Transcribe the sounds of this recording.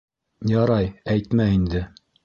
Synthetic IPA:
jɑɾɑjæjt̪mæind̪ɘ

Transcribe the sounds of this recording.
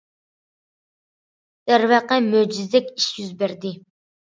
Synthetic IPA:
d̪̥æɾvæqəmød͡ʒizd̪ɛkʲiʃjyzbæɾd̪ɪ

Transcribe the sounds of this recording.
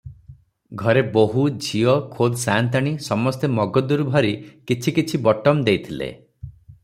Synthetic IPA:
ɡʱɔɾeboɦud͡ʒʱiɔkʰod̪sant̪aɽ̃isɔmɔst̪emɔɡɔd̪uɾubʱɔɾikit͡ʃʰikit͡ʃʰibɔʈɔmd̪ejt̪ʰilḛ

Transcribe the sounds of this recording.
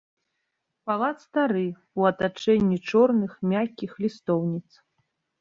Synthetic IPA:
palˠat̪st̪aɾɨ | uɐt̪at͡ʂɛnʲːit͡ʂɔrnɨxmʲakʲːixlʲist̪ɔwnʲit̪s

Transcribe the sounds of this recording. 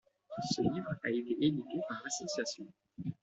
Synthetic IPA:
səlivʁaet̪eʔed̪ykepaʁlasɔsjasjɔ̃

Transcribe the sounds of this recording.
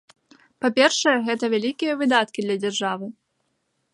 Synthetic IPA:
papʲɛrʂɛjɛɣɛt̪ɐvʲalʲikʲijɐvɨd̪at̪̚kʲid̪lʲɐd͡zʲɛrʐavɨ

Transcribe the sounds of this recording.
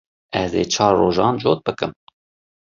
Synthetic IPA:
ɛzḛːt͡ʃʰɑːɾːoːʒɑːnd͡ʒoːt̪̚bɨkɨm

